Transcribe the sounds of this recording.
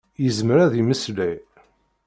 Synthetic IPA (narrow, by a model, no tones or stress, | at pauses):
jəzmɾæðiməslæj